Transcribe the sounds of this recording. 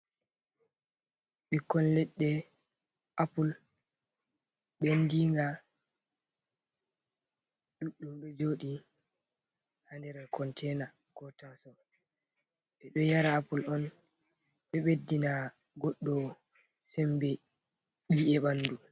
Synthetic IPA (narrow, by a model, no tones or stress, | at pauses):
ɓikːɔnlɛɗːɛ | ʔapul | ɓɛndiŋɡa | ɗuɗːumɗɔd͡ʒoːɗi | handɛɾɛkɔntʰɛna | kɔtasɔ | ɓɛɗɔjaɾaːpulɔn | ɓɛɓedːina | ɡɔɗːɔ | sɛmbɛ | ɓiʔɛɓanːdu